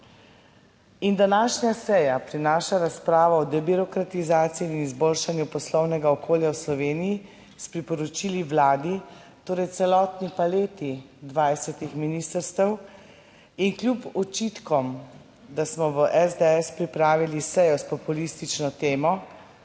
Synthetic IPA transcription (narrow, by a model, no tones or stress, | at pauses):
ind̪anaːʃnasɛjapɾinaːʃaɾaspɾaːʋɔɔd̪ɛbiɾɔkɾat̪izaːt̪sijiːnizboːlʃanjupɔslɔwnɛɡaɔkʰoːljawslɔʋeːnii | spɾipɔɾɔt͡ʃiliʋlaːd̪i | t̪oːɾɛjt̪sɛlɔt̪nipaleːt̪id̪ʋajsɛt̪ixminiːst̪əɾst̪ɛw | inklʲjupɔt͡ʃit̪kɔm | d̪asmɔʋəʔɛzd̪eɛspɾipɾaːʋilisɛjɔspɔpulist̪it͡ʃnɔt̪eːmɔ